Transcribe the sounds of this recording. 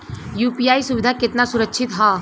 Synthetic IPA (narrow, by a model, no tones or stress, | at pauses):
juːpijaːisʊʋɪd̪ʱakɪt̪nasʊɾəkːʃʰɪt̪ɦaː